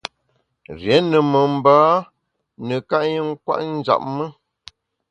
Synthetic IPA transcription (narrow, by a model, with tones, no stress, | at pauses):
ɾjɛ˨˦nə˨mə˨m̩˨baː˦ | nə˨ka˦ʔɲə˦ŋ̩˦kwa̰˦ʔn̩˦d͡ʒa̰˨p̚mə˦